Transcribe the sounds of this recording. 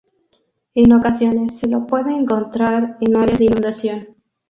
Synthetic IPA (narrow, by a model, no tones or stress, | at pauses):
enokasjo̞nesːelopweðeːŋko̞nt̪ɾaɾenaɾjazðeinũnd̪asjo̞n